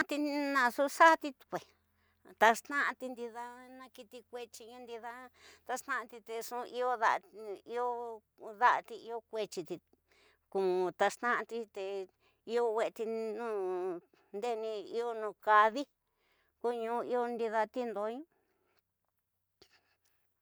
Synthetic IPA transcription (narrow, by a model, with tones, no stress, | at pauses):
ã˦˧t̪i˧nã˧su˦ʂa˦t̪i˧t̪kʷe˨ | t̪a˧ʂt̪ã˦ʔã˧t̪i˧nd̪i˧ða˧nã˧ki˧t̪i˧kʷe˧t͡ʃi˧ɲũ˦nd̪i˧ða˦t̪a˧ʂt̪ã˦ʔã˧t̪i˧t̪e˧ʂũ˧ʔi˦o˦ða˧i˦o˦ | ða˦ʔa˧t̪i˧i˧o˦kʷe˧t͡ʃi˧t̪i˧ | ku˧ũ˧t̪a˧ʂt̪ã˦ʔã˧t̪i˧t̪e˧ | i˧o˧wʷe˧e˧t̪i˧nũː˦˧ | nd̪e˦˧nĩ˧i˦o˦nũː˧ka˧ði˦ | ku˦˧ɲũː˧i˧o˧nd̪i˧ða˧t̪i˦nd̪o˧˦ɲũ˦